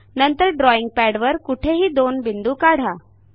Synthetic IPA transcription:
nənt̪əɾɖɾɔiŋɡ̚pæɽʋəɾkuʈʰeɦiːd̪onbind̪uːkaɽ̤a

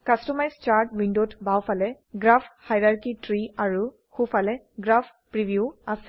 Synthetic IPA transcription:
kastɔmajzt͡ʃaɹtwindotbawfʰalɛ | ɡɹafʰhajɹaɹkitɹiaɹu | xufalɛ | ɡɹafʰ | pɹibjuasɛ̥

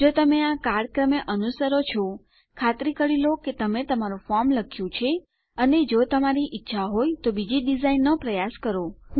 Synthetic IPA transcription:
d͡ʒot̪əmeakaɾɖkɾəmeʔənusəɾot͡ʃʰɔ | kʰat̪ɾikəɽiloket̪əmet̪əmaɾũfɔɾmləkʰjũt͡ʃʰe | əned͡ʒot̪əmaɾiʔɪtːʃʰaɦojt̪obid͡ʒiɖizainːopɾəjaskəɾo

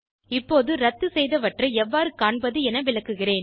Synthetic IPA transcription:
ɪpːoːðɯɾɐt̪ːɯsɛjðɐʋɐʈrɐɛʋːaːɾɯkaːɳbɐðɯɛnɐʋɪɭɐkːɯɣɪreːn

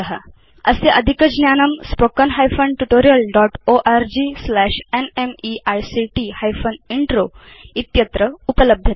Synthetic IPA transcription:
əɦa̰ | əseʔəd̪ʱikəd͡ʑnjanəmspokənɦajfənʈuʈoɾijəlɖɔʈoʔaɾd͡ʑiːslæʃenemiʔajsiʈihajfəniɳʈɾo | it̪jət̪ɾəupələb̚d̪ʱjə

